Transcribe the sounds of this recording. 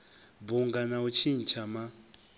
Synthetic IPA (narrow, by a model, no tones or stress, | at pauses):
buŋɡanaut͡ʃʰin̩t͡ʃʰama